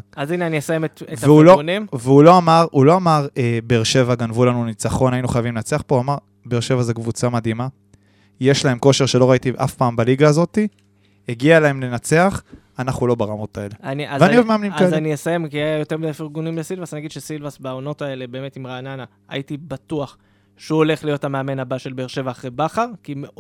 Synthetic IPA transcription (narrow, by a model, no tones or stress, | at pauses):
azineaniesajemeteveulounimveulo̞amaʁulo̞amaʁebeːʁʃe̞vaɡanvulanunit͡saχo̞nainuχajavimlenat͡seaχpouamaʁ | beːʁʃe̞vaze̞kvut͡samad̪ima | je̞ʃlahe̞mko̞ʃe̞ʁʃe̞lo̞ʁait̪iʔafpaːmbaliɡaːzo̞t̪i | eɡialae̞mle̞nat͡se̞aχ | anaχulo̞baʁamo̞tae̞leaniazveaniovmeamnimkaaniesajemkiajajote̞ʁmidajfiʁɡunimlesilvasaninaɡid̪ʃesilvasbaono̞tae̞le̞be̞ːme̞timʁaːnana | a̰itibatuaχ | ʃuole̞χlijo̞thameame̞nhabaʃe̞lbeːʃe̞vaːχʁebaχaʁkime